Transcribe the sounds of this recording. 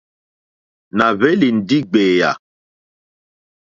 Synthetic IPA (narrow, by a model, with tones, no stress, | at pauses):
na˨ve˦li˨n̩˨di˦ɡ͡beː˨ja̰˨